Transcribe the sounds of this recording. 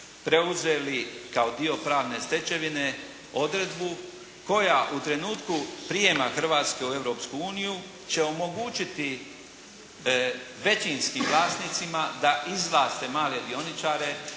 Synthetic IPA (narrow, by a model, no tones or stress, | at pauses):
pɾe̞uze̞ːlikao̞d̪io̞pɾaːʋne̞st̪e̞t͡ɕe̞ʋine | o̞d̪ɾed̪bu | ko̞jaʔut̪ɾe̞nuːt̪kupɾijemaxr̩ʋaːt̪ske̞ue̞ʋɾo̞pskuuːniju | t͡ɕe̞o̞mo̞ɡuːt͡ʃit̪i | ʋe̞t͡ɕinskimʋlˠaːsnit̪simad̪aʔizlaːst̪e̞maːlje̞d̪io̞nit͡ʃaːɾe̞